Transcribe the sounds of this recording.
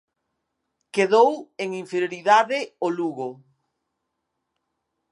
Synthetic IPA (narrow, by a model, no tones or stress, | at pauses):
keðoweŋiɱfeɾjoɾiðaðɪoluɣo